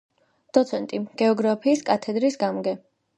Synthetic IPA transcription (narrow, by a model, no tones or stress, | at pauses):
d̪̥ɔt̪sʰɛnt̪ʼiɡ̥ɛɔɡɾapʰiːskʼat̪ʰɛd̪ɾisɡamɡɛ